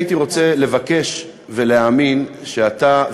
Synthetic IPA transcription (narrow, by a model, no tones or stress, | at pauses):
itiʁo̞t͡se̞le̞vake̞ʃ | ve̞leaminʃeat̪a